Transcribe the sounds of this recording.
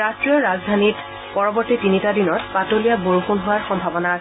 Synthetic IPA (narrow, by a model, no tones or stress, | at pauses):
atɹiɔɹazdʱanit | pɔɹɔbɔɹtitinitadinɔtpatolijaboɹuxunɦʊwaɹxɔmbʱabɔnaɹ